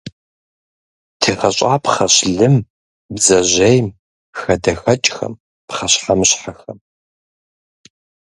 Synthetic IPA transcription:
tʰɨʁɐɕʼaːpχɐɕɮɨm | bzɐʑejm | xɐdɐxɐt͡ʃʼxɐ̰m | pχɐɕħamɕħaxɐm

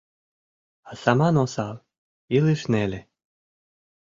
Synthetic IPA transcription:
asamanɔsalˠ | ilˠɨʃnɛlʲɛ

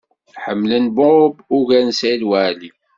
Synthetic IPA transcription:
ħəmːlənbʊbuʝænsilwæʕli

